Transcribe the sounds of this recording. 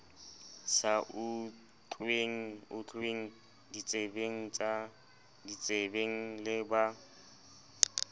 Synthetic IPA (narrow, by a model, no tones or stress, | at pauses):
saʔʊ | t͡ɬʰʼweŋ̩ʊt͡ɬʰʼeŋ̩ | dit͡sʼebeŋ̩t͡ʃʼa | dit͡sʼebeŋ̩lɪba